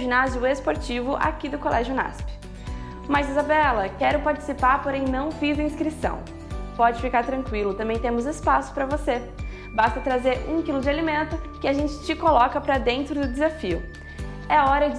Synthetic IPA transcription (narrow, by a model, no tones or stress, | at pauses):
ʒinaziʊespoɾt͡ʃivʊʔa̰kid̪ʊkolʔɛʒjʊna̰spɪ̥ | mɐzizabɛlɐkɛɾʊpaɾt͡ʃɪ̥sipaɾpoɾẽj̃nɐ̃w̃fizɐĩskɾisɐ̰̃w̃ | pɔd͡ʒɪfikaɾt̪ɾɐ̃ŋkwilʊt̪ɐ̃mbẽj̃t̪ẽmʊzespasʊ̥pɾɐvose | bast̪ɐt̪ɾazeɾũkilʊd͡ʒɪalimẽnt̪ʊkɪaʒẽnt͡ʃɪ̥t͡ʃɪkolɔkɐpɾɐd̪ẽnt̪ɾʊd̪ʊd̪ezafiʊ̰ | ɛaɔɾɐd͡ʒ